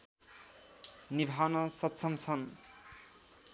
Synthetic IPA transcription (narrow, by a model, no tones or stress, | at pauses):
nibʱanʌsʌt̪ːt͡sʰʌmt͡sʰʌn